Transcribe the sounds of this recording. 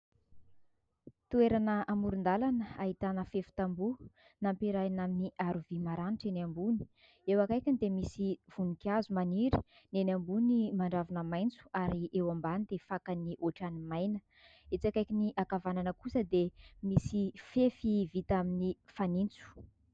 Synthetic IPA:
t̪ueɾanəamuɾund̪alanəaɦit̪anəfefi̥t̪ambu | nampiɾajnaminiʔaɾuvimaɾaniʈ͡ʂenambuni̥ | ewakajkʲind̪emisiv̥unikiazumaniɾi | nenambunimaɳɖ͡ʐavanəmajnt͡su̥aɾiʔewambanid̪efakaniʔoʈ͡ʂanimajnə̥ | et͡sakajkʲiniʔakavananəkusəd̪emisifefivit̪aminifanint͡su̥

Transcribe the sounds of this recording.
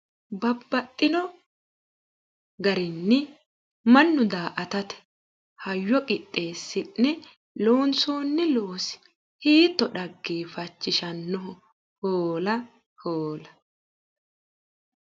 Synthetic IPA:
bɐbːɐt̪ʼːɪnɔ | ɡɐɾɪnːɪ | mɐnːʊd̪aːʔɐt̪ɐt̪ɛ̥ | hɐjːɔkʼɪt̪ʼːe̞ːsːɪnːɛ | loːnsoːnːɪloːsɪ̥ | hiːt̪ːɔɗɐɡːiːfɐt͡ʃːɪʃɐnːɔɦɔ | hoːlɐ | hoːlɐ

